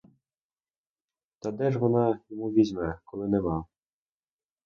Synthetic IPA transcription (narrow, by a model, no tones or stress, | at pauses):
t̪ɑd̪ɛʒʋɔnɑjɔmuʋʲizʲmɛkɔlˠɪnɛmɑ